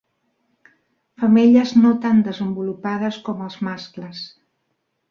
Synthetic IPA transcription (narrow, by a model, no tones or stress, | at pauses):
fəmeʎəznot̪and̪əzəmbulupað̞əskɔməlˠzmaskləs